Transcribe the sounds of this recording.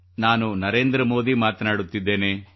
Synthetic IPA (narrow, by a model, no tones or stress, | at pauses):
naːnunɐɾeːnd̪ɾɐmo̞ːd̪imaːt̪ɐnaːɽut̪ːid̪ːe̞ːne